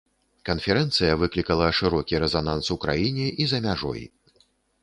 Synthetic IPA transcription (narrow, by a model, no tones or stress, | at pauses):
kɐnfʲɛɾɛnt̪sɨjɐvɨklʲikɐlˠɐʂɨɾɔkʲiɾɛzanansukɾa̰jinʲɛʔizɐmʲaʐɔ̰j